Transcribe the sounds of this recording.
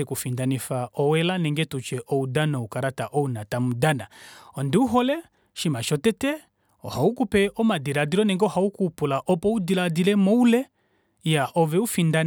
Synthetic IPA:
ɛkufindanifaʔɔwɛlanɛŋɡɛtut͡ʃɛʔɔudanɔukaɾataʔɔunatamudanaɔndiuɦɔlɛ | ʃimaʃɔtɛtɛ | ɔ̰haukupɛʔɔmadiɾadilɔnɛŋɡɛɔhaukuːpulaʔɔpɔudiladilɛmɔulɛ | jaʔɔvɛufindan

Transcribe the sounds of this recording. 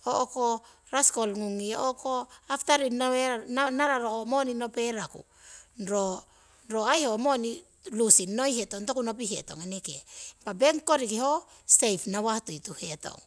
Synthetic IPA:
oʔoko | ɾaskolŋuŋiokoaftaɾinaeanaɾaɾoomonino̞pe̞ɾakṵ | nɾo | nɾo̞ajho̞mo̞ni | lusino̞jhetontokunop̬iɦe̞̰to̞̰ŋenekepabeŋkoɾikiho | sejpnawahtujtuheto̰ŋ

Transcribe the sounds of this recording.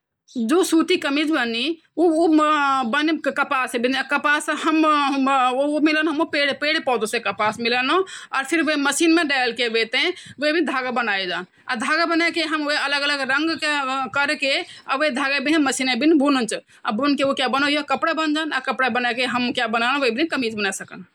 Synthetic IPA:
d͡ʒosut̪ikəmid͡ʒbəni | u | bənkəpasebinakəpasɦəm | omilənɦəmopeɽpeɽpɔd̪usekəpasmilənoɔːɾpʰiɾʋəməsinmeɖalkebet̪ẽʋebid̪ʱaɡabənajd͡ʒaːn | a̰d̪ʱaɡabənakeɦəmeələɡələɡɾəŋɡkekəɾkeəʋed̪ʱaɡabinẽməsinebinibʱunənt͡ʃʰ | a̰bʱunkeokjabənojokəpɽabənd͡ʒaːnakəpɽabənakeɦəmkjabənanʋəbinikəmid͡ʒbənasəkən

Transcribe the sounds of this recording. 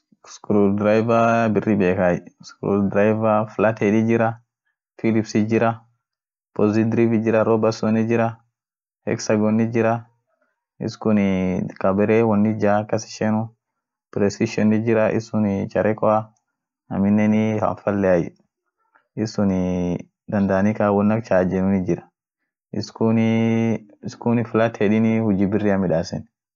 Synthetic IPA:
skɾudɾajvabɪrːibeːkajskɾṵdɾajvaflat̪ɛdid͡ʒɪɾa | filipsid͡ʒɪɾa | pɔzid̪ɾivid͡ʒɪɾaɾɔbasɔnid͡ʒɪɾa | hɛ̰ksaɡɔnːid͡ʒɪɾa | ɪ̰skʊnikabɛɾɛwɔnːid͡ʒaːkɐsɪ̥ʃɛnu | pɾɛsɪʃɔnːɪd͡ʒɪɾɐʔɪ̰sʊnt͡ʃɐɾʔɛkɔa | ɐ̰mɪnːɛnɪhɐ̰ɱfɐlːɛɐj̰ | ɪsʊnɪ | d̪ɐnd̪ɐɐnikaːwɔnːɐk̚t͡ʃaːd͡ʒɛnʊnɪd͡ʒɪɾɐ̥ | ɪskun | ɪskʊnɪfɪlɐt̪hɛᶑɪnihʊd͡ʒibɪrːiɐmɪᶑaːsɛn

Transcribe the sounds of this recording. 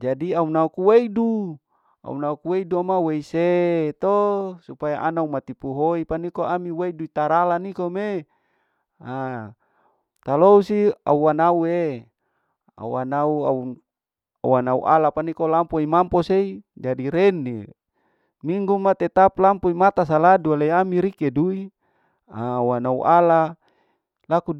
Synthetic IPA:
d͡ʒadiaunaukuweidu | a̰ṵnaukuweiduamaweiset̪osupajaʔanaumat̪ipuɦoipanikoamiweiduit̪aɾalanikome | a | t̪alousia̰uanaue | a̰uanauau | a̰uanaṵʔalapanikolampoimamposeid͡ʒadiɾenːḭ | miŋɡumat̪et̪aplampoimat̪as̬aladualeiamiɾikedui | auanaṵʔala | laku

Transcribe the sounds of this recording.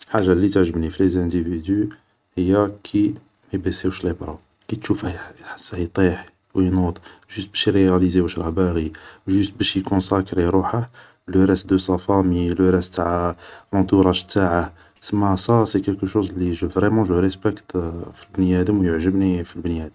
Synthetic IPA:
lħaʒːalːit̪əʕʒəbnifilezæ̃d̪ivid̪y | həjːakʰi | mibesewʃlebɾˤɑ | kit̪ʃufhæħḁsːhit̪ˤiħ | wjnut̪ˤʒyst̪̚bæʃiɾeælizewæʃɾˤɑbæɣiʒyst̪bæʃjikɔ̃sækɾiɾuħah | ləɾˤæst̪̚d̪əsɑfæmiləɾɛst̪t̪aʕlɑ̃t̪uɾˤɑʃt̪ːaʕa | səmːæsˤɑsekɛlkəʃozliʒəvʁɛmɑ̃ʒəɾɛspəkt̪filbniæd̪əmwjəʕʒəbnifilbniæd̪əm

